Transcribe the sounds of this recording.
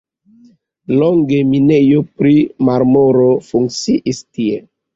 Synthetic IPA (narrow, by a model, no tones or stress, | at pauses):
loŋɡe̞minejopɾimaɾmoɾofuŋk̚t͡siʔistie